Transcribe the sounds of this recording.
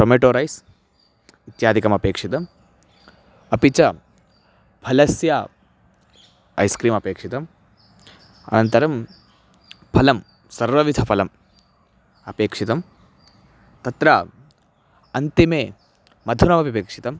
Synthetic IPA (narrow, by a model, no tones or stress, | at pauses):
ʈomeːʈoːɾɐjs | it̪jaːd̪ʱikɐmɐpeːkʂit̪ɐm | ɐpit͡ʃɐ | bʱɐlɐsjɐ | ɐ̰jskɾiːmɐpeːkʂit̪ɐm | ɐ̰nɐnt̪ɐɾɐm | pʰɐlɐm | sɐɾʋɐʋid̪ʱɐpʰɐlɐm | ɐpeːkʂit̪ɐm | t̪ɐt̪ɾɐ | ɐnt̪imeː | mɐd̪ʱunɐmɐbipeːkʂi̥t̪ɐm